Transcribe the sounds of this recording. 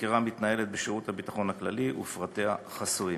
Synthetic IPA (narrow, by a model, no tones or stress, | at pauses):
kiʁamit̪naje̞le̞t̪̚beʃeʁut̪habitaχo̞nhakla̰liʔṵfʁat̪e̞haχasui